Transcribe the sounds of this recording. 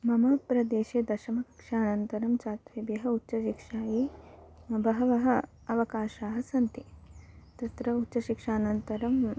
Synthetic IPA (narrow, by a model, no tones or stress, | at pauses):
mɐmɐpɾɐd̪eːʃeːd̪ɐʃɐmɐkɐ̥kʂaːnɐnt̪ɐɾɐmt͡ʃaːt̪ʋebjɐɦɐutːt͡ʃɐʃikʂaːjiː | bɐɦɐʋɐɦɐ | ɐʋɐkaːʃaːɦɐsɐnt̪it̪ɐt̪ɾɐutːʃɐʃikʂaːnɐnt̪ɐɾɐm